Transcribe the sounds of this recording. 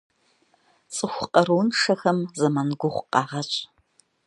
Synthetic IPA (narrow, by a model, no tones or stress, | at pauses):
t͡sʼɨxʷqɐɾuwnʂɐxɐmzɐmɐnɡʷʊχʷqɑːʁɐɕʼ